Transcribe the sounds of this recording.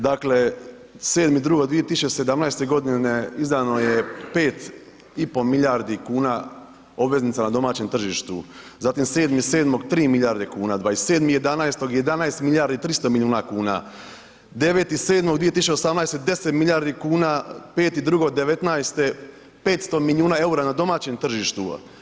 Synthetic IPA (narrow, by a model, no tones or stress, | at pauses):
d̪akle̞ | se̞ːd̪mid̪ɾuɡod̪ʋije̞t̪isut͡ʃese̞d̪amnajst̪e̞ɡo̞d̪ineizd̪ano̞jepe̞ːt̪ | ipo̞miʎaɾd̪ikuːna | o̞bʋe̞znit̪sanad̪o̞maːt͡ɕemt̪r̩ʒiːʃt̪uzaːt̪imse̞ːd̪miseːd̪mo̞ɡt̪ɾiːmiʎaːɾd̪e̞kuːnad̪ʋaːesseːd̪mije̞d̪anajst̪o̞ɡje̞d̪anaest̪milʎʲaɾd̪it̪ɾist̪omilʲiuːnakuːna̰ | d̪e̞ʋe̞t̪ise̞ːd̪moɡd̪ʋijet̪isʃut͡ʃosamnajst̪ed̪e̞set̪miʎaːɾd̪ikuːnape̞ːt̪id̪ɾuɡoɡd̪e̞ʋet̪najst̪e | peːt̪st̪o̞milʲiuːnae̞uɾanad̪o̞maːt͡ɕemt̪r̩ʒiʃt̪u